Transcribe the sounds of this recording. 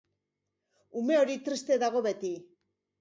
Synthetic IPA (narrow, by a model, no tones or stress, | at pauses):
ume̞o̞ɾit̪ɾist̪e̞ðaɣ̞o̞βe̞t̪i